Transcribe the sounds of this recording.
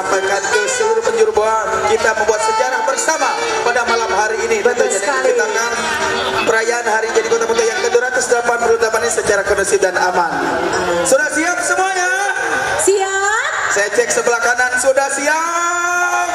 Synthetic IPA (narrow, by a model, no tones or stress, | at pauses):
apakandəsəluɾʊpəɲd͡ʒuɾubaakit̪aməmbuat̪̚sət͡ʃaɾabərsamapadamalamɦaɾiːniat̪aaait̪akanpəɾajaːnɦaɾid͡ʒadikot̪aput̪ajaŋkəduɾat̪ʊsdəlampanpəɾunt̪amanɲasət͡ʃaɾakənəsidanamansudasiak̚səmuaɲa | siasajat͡ʃɛk̚səbəlakanansudahsia